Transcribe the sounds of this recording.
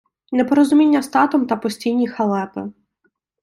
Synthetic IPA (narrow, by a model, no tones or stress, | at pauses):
nɛpɔɾɔzʊmʲinʲːɐst̪ɑt̪ɔmt̪ɐpɔsʲtʲijnʲixɐlˠɛpɪ̰